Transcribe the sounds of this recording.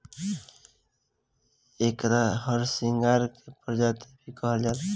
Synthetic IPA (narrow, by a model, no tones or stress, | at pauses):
ekɾaɦəɾsiŋɡaɾkepəɾd͡ʒat̪ebʱikɔɦəld͡ʒat̪